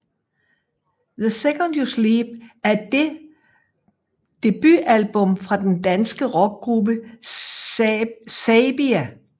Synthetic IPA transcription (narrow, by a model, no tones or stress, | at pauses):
ðəsekənd̥juslib̥̚æɐ | d̥e̝b̥yʔælb̥ɔ̽mfʁɑ̈d̥end̥ænsɡ̥əʁɒ̽ɡ̥̚ɡ̥ʁubə | sɛb̥iæ